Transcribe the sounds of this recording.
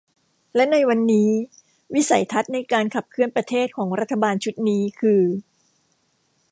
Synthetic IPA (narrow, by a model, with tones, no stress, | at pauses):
lɛ˦˥na˧jwa˧nːiː˦˥ | wi˦˥sa̰˩˦jt̪ʰa˦˥t̪̚na˧jkaː˧nkʰa˨˩p̚kʰɯ˧˩ənpɾa˧t̪ʰeː˥˩t̪̚kʰɔː˩˦ŋɾa˦˥t̪ʰːa˧baː˧nt͡ɕʰu˦˥t̪̚niː˦˥kʰɯː˧